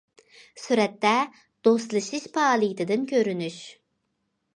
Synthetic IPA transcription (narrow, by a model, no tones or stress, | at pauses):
syɾɛt̪ːɛ | d̪̥ost̪lˠɨʃɨʃpɑːlˠɨjit̪ʰɨd̪ɨnkʲʰøɾynyʃ